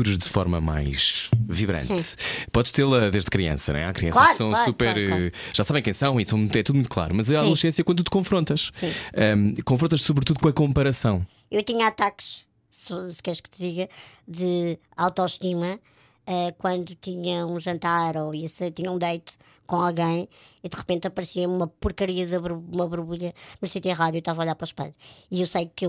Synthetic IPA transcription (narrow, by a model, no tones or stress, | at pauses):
uɾɐʒðɨfɔ̰ɾmɐma̰jʃviβɾɐ̰̃nt̪pɔðʃt̪elˠɐðeʒðkɾiɐ̰̃sɐñ̰ɛ̰̃akɾiɐ̃slaɾsɐ̃w̃ssupɛɾʒ̥asaβɐ̃kɐ̃j̃sɐ̃w̃isɐ̃w̃ɛt̪uðumũt̪klˠa̰ɾumɐzɐaðulˠʃẽsjɐkwɐ̃d̪ut̪ɨ̥kõfɾõnt̪ɐʃsĩɛkõfɾõnt̪ɐʃsuβɾt̪uðukõɐkõmpɐɾɐsɐ̃w̃ | ewt̪iɲɐat̪akʃ | sɔsɨ̥kɛɾɐʃkt̪ɨðiɣɐðɨ | awt̪ɔʃt̪imɐ | ɛkwɐ̃nd̪ut̪iɲɐũʒɐ̃nt̪aɾoisɐt̪iɲɐũd̪ɐjt̪u̥ | kõalˠɣɐ̃j̃iðɨʁɨpẽnt̪ɐpɐɾsiɐumɐpuɾkɐɾiɐðɐβɾumɐβuɾβuʎɐnusĩt̪iɐ̃ʁaðjuewʃt̪avɐɔʎaɾpɾɔʃpɐ̰ʎiewsɐjkew